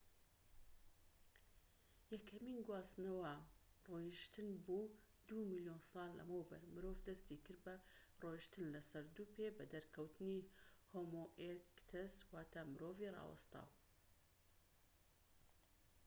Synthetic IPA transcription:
jɐkʰɐminɡwaːsnɐwɐrojiʃt̪ɨnbuː | d̪umilijoːnsɑːlːɐ̰mowbɐ̰ɾmɨɾovd̪ɐst̪iːkɨɾbɐroʃt̪ɨnlɐsɐɾd̪uːpebɐd̪ɐɾkʰɐwt̪ɨnihoːmoʔeɾkt̪ʰɛswaːt̪ʰamɨɾoːvirˤɑ̰ːwɐ̰st̪a̰ːw

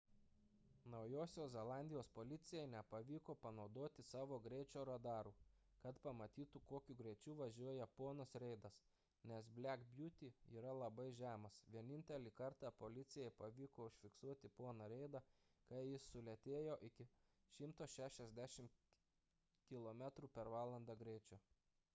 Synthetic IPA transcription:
nɒʊjoːsʲoːszʲɛlˠɑˑnʲd̪ʲɪjoːspolʲɪt̪sʲɪjɛɪnʲɛpɐʋʲiːkoːpɐnɒʊd̪oːt̪ʲɪsɑːʋoːɡɾʲɛɪt͡ʃʲoːɾɐd̪ɑːɾuː | kɐt̪pɐmɐt̪ʲiːt̪ukoːkʲuːɡɾʲɛɪt͡ʃʲuːʋɐʒʲuɔjɛpoːnoːsɾʲɛɪd̪ɐs | nʲɛsbʲlʲækbʲjuːt̪ʲiːiːɾɐlˠɐbɐɪʒʲæːmɐsʋʲiɛnʲɪnʲt̪ʲɛlʲiːkɐɾt̪ɑːpoːlʲɪt̪sʲɪjɛɪpɐʋʲiːkoːʊʃʲfʲɪksuɔt̪ʲɪpoɔnɐɾʲɛɪd̪ɐkɐɪjɪsːʊlʲɛt̪ʲeːjoːʔɪkʲɪ | ʃʲɪmt̪oːʃʲæːʃʲɛzʲd̪ʲæːʃʲɪm | kʲɪlˠoːmʲæt̪ɾuːpʲɛɾʋɑːlˠɐnd̪ɑɡɾʲɛɪt͡ʃʲoː

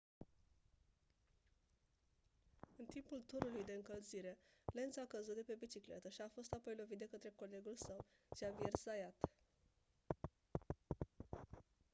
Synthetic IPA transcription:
ɨnt̪impult̪uɾulujd̪e̞ɨŋkəlziɾe̞le̞nt̪sakəzut̪̚d̪e̞pe̞bit͡ʃiklḛt̪əʃiafo̞st̪apo̞jlo̞vit̪̚d̪e̞kət̪ɾe̞ko̞le̞ɡulsəw | t͡ʃeaviersajat̪

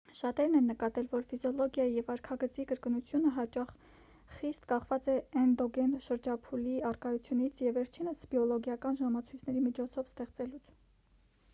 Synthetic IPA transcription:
ʃɑt̪ɛɾnɛnːəkɑt̪ɛlvɔɾfizjɔlɔɡjɑjijɛvɑɾkʰɑɡət͡sikəɾkənut͡sʰjunəɦɑt͡ʃɑχ | χist̪kɑχvɑt͡sɛːnd̪ɔɡɛnʃəɾd͡ʒɑpʰuliɑrkɑjut͡sʰjunit͡sʰjɛvɛɾt͡ʃʰinəsb̥jɔlɔɡjɑkɑnʒɑmɑt͡sʰujt͡sʰnɛɾimit͡ʃʰɔt͡sʰɔvst̪ɛχt͡sɛlut͡sʰ

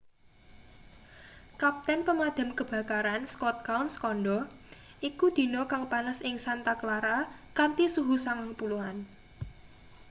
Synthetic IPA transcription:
kap̚t̪ɛnpəmad̪̥a̤mkəb̥a̤kaɾanskɔt̪̚kawnskɔnɖɔ | ʔikud̪̥i̤nɔkaŋpanəsɪŋsant̪akəlaɾa | kant̪isuɦusaŋaŋpuluhan

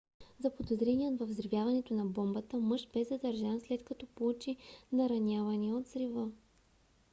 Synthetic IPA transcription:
zɐpod̪ozɾɛniənvɐvzɾivʲjavɐnɛt̪onɐbɔmbət̪əmɤʃbɛzɐd̪ɐɾʒanslɛt̪kɐt̪ɔpout͡ʃinɐɾɐnʲavɐniɛot̪zɾivə

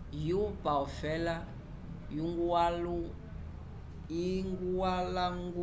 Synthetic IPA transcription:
jupaɔfɛla | juŋɡualu | iŋɡuwalaŋɡu

